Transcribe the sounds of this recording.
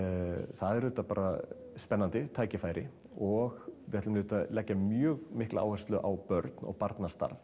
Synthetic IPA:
θaðɛɾʏːt̪apaːɾa | spɛnːant̪ɪt̪ʰaːjcɪfaːjɾɪ | ɔɣvɪɛt̪lmlʏːt̪alɛːjcːamjœːɣmɪhklaa̰whɛst̪lʏʔawpœɾt̪nɔ̰ɣpaɾt̪nḁst̪a̰ɾf

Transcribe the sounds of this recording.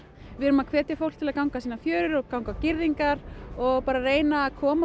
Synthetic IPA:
vɪɾʏmakʰv̥ɛːt̪jafowl̥t̪ʰɪlaðkawŋkas̬iːnafjœːɾʏɾɔɣkawŋkacɪɾðiŋkaɾ̥ɔɣpaːɾareːjnaːkʰɔːma

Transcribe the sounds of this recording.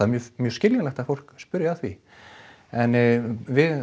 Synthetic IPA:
aðɾmjœːmjœːscɪljalɛxt̪ḁfowl̥kspʏɾjaaθvi | ɛnvɪð

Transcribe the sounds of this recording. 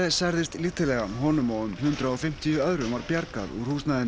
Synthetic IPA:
ɛsaɾðɪst̪liːt̪ɪlɛɣaɦɔːnʏmːaːwʏmhʏnt̪ɾaɔɣfɪm̥t̪ijʏœðɾʏmvaɾpjaɾka̰ðṵɾ̥huːsnaðɪ

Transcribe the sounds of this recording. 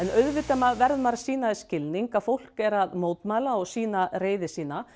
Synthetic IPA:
ɛnœɥðvɪt̪amaðvɛɾðmaɾsiːnaðɪscɪlniŋkaðfowl̥kɛɾaðmoːwt̪maːlaɔɣsiːnareːjðɪsiːna

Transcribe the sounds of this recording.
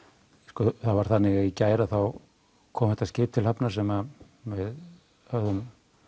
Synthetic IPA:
skɔθavaɾ̥θanːɪɣaicaːjɾaθaw | kʰɔːmhɛht̪ːascɪːp̚t̪ʰɪlhapnasɛma | vɪð | œðʏmʏm

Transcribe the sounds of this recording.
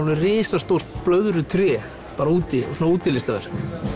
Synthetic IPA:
nʏrɪːsast̪owr̥t̪plœðʏɾʏt̪ʰɾɛː | paːɾauːt̪ɪɔsɔnauːt̪ɪlɪst̪avɛ̰ɾ̥

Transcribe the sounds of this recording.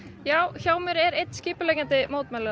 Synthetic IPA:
jaːwçaːwmɛɾɛɾejt̪n̥sciːpʏlɛjcant̪ɪmoːwt̪mɛlɛ

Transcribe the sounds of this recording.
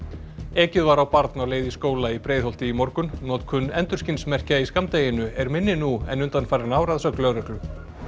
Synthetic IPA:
ɛːcɪðvaɾawpaɾt̪nawleːjðɪskoːwlaipɾeːjðowl̥t̪ɪimɔɾkʏnnɔːt̪kʰʏnːɛnt̪ʏ̥ɾscɪnsmɛr̥caiskamt̪ejɪnʏɛɾmɪnːɪnuɛ̰nʏnt̪anfaːɾɪɾnaːwɾaðsœklœɾœk̪lʏ

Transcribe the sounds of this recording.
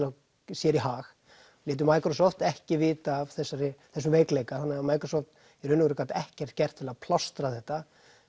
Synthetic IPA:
la | sjɛɾiɦaːx | lɪːt̪ʏmaːjkɾɔsɔft̪ɛhcɪvɪːt̪aːvθɛsːaɾɪθɛsːʏveːjkleːjkahanːaamaːjkɾɔsɔft̪ | ɛɾʏnːʏvʏɾɪkat̪ɛhcɛr̥t̪̚cɛr̥t̪ʰːɪlaðpʰlawst̪ɾaθɛht̪a

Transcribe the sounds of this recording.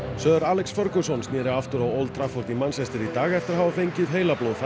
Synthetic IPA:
sœːðʏɾaːlɛjksfœɾkʏsɔnsnɛːɾɪaft̪ʏɾawowlt̪ʰɾafɔɾt̪nimansɛst̪ɪɾit̪aːɣɛft̪ɪɾ̥haːwvafejɲcɪðɦeːjlaploːwðθa

